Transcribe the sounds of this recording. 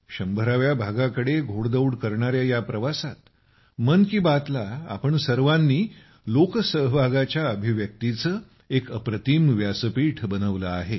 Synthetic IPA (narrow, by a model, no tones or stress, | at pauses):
ɕəmbʱəɾaʋjabʱaɡakəɽeɡʱoɽd̪əwɽkəɾɳaɾjajapɾəʋasat̪ | mənkiːbat̪laa̰pəɳsəɾʋãnːiː | loksəɦbʱaɡat͡ɕjaəbʱiʋjək̚t̪it͡səː | ekəpɾət̪iːmʋjasəpiːʈʰbənəʋləaɦe